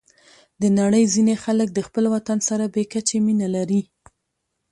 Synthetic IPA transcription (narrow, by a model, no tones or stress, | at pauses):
d̪ənaɽəjzinexalək̚d̪əxpəlwat̪ansaɾabekat͡ʃeminalaɾi